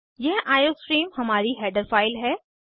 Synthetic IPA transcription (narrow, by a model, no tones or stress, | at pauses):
jɛɦaːjoːspɾiːmhɐmaːɾiɦɛːɖəɾfaːɪlɦɛː